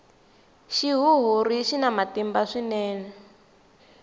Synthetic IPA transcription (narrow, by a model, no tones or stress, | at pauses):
ʃiɦuɦuɾiʃinamatimbaʂinɛːnɛ